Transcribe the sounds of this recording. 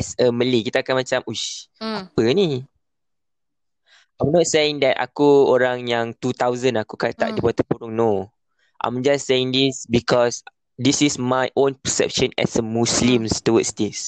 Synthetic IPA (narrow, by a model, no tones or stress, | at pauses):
ɛsəməlikit̪aːkanmat͡ʃamuʃapəni | ʔãjmnɔt̚sejĩŋd̪ɛta̰kuoɾaŋjaŋt̪ut̪awzə̃nakukat̪a̰ʔ̚dibat̪əpuɾʊŋno | ʔã̰jmd͡ʒasːeĩŋd̪isbikɔs | disismajʔõnpəsɛ̰p̚ʃə̃nɛ̰səmuslĩmstuwəsdis